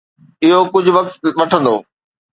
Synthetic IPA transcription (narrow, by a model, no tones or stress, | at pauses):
ɪɦokʊd͡ʑʱʊ̆ʋɐk̚t̪ʋɐʈʰə̃nd̪o̰ː